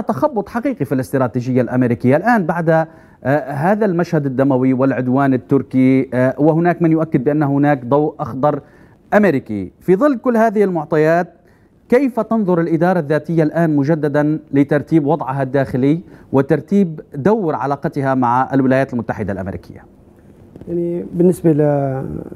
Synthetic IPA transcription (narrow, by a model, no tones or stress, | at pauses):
t̪axɑbːʊt̪ˤħɑqiːqifilɪst̪ɾˤɑːt̪iːʒɪjːalʔamɪɾiːkɪjːalʔaːnbaʕd̪ | ɦaːðalmaʃhad̪ɪd̪ːamawiwɪlʕʊd̪waːnɪt̪ːʊɾkiwɪɦʊnaːkmɪnjʊʔakːɪd̪̚bɪʔanːahhʊnaːkd̪ˤɑwʔʔɑxd̪ˤɑɾˤ | ʔamɪɾɪkḭfiðˤɨlːkʊlːhaːðɪhɪlmʊʕt̪ˤɑjaːt̪̚ | kejfat̪ɑnðˤʊɾɪlʔɪd̪ɑːɾˤɑðːaːt̪ɪjːalʔaːnmʊʒad̪ːad̪anlɪt̪ɑɾˤt̪iːbwɑd̪ˤʕɪɦad̪ːaːxɪlɪwʔɪt̪ɑɾˤt̪iːbd̪awːɪɾʕa̰laːqɑt̪ɪɦamaʕaʔɪ̰lwɪlaːjaːt̪ɪlmʊt̪ːaħɪd̪alʔa̰mḛɾḭːkʰɪ̰jːa | jaʕnibɪnːɪsbala